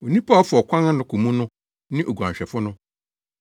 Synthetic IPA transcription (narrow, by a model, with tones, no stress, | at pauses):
o˨nĩ˦pʰa˦ɔ˦fʊ˨ɔ˨kʷʰã˦nã˦nʊ̃˨kʰu˨mũ˦nʊ̃˦ | nɪ̃˦ʔo˨ɡu˨ã˨ɲɕᶣɛ˨fʊ˦nʊ̃˦